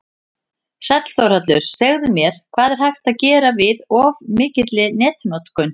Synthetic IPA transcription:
sɛt̪l̥θowɾ̥hat̪lʏɾ̥sɛɣðʏmjɛɾ̥kʰv̥aːðɛɾ̥hajxt̪aðcɛːɾavɪðɔvmɪːcɪt̪lɪnɛːt̪nɔt̪kʏn

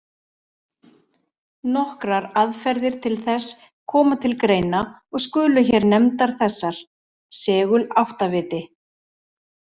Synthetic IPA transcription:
nɔhkɾaɾaðfɛɾðɪɾ̥t̪ʰɪlθɛs | kʰɔːmat̪ʰɪlkɾeːjna | ɔɣskʏːlʏçɛɾnɛmt̪aɾ̥θɛsːaɾ̥ | sɛːɣʏlawht̪avɪːt̪ɪ

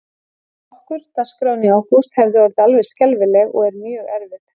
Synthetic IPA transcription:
hɔhkʏɾt̪askɾaːwniawkust̪hɛvðʏɔɾɪðalvɛ̥scɛlvɪlɛɣɔ̰ɣɛɾmʏːʏɣɛɾvɪt̪

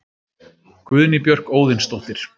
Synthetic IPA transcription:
kvʏðnɪpjœr̥koːwðɪnst̪owht̪ɪɾ̥

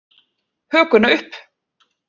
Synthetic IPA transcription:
hœːkʏnaʏhp

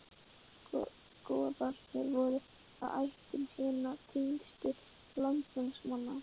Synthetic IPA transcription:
kɔːðal̥ɛɾvɔɾʏ | a̰ða̰jht̪ʏmhɪːnat̪ʰinst̪ʏ | lant̪mɛnsmanːa

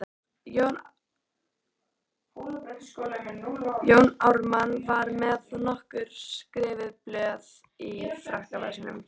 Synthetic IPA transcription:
jown | joːwnawɾmanvaɾmɛðnɔhkʏɾ̥skɾɪːvɪðplœːð | ifɾahkava̰snʏ̰m

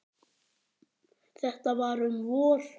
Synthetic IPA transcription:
θɛht̪avaɾʏmvɔːɾ̥

